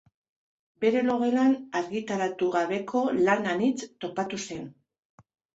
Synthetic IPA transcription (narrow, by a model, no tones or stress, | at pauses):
be̞ɾe̞lo̞ɣe̞lanaɾɣit̪aɾat̪uɣaβe̞kʰo̞lananit͡st̪o̞pat̪use̞n